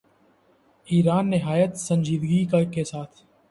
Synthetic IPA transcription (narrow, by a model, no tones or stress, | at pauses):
iːɾaːnːɪɦaːjət̪sə̃ɲd͡ʒiːd̪ɡikəkesaːt̪ʰ